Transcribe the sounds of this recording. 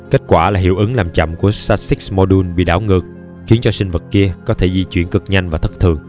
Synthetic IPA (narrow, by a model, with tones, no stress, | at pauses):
ke˦˥t̚kwaː˧˩laː˨˩ɦḭ˧˩əwʔɨ˨˦ŋlaː˨˩mt͡ɕa̰˧˨mku˧˩əsaː˧tsi˦˥k̚smɔ˧ɗu˧nɓḭ˧˨ɗaː˧˩wŋɨ˨˩ək̚ | xi˨˦ənt͡ɕɔ˧sï˧ŋ̟və˨˩t̚ki˧əkɔ˨˦t̪ʰe˧˩zi˧t͡ɕwi˧˨ənkɨ˨˩k̚ɲa˧nvaː˨˩t̪ʰɨ˦˥k̚t̪ʰɨ˨˩əŋ